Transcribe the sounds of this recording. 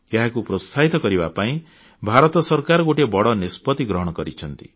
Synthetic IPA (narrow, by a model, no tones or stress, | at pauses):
jaɦakupɾost̪ʰaɦit̪ɔkɔɾiba̰paĩ | bʱaɾɔt̪ɔsɔɾkaɾɔɡoʈebɔɽɔnispɔt̪iɡɾɔɦɔɽ̃ɔkɔɾit͡ʃʰʌnt̪ḭ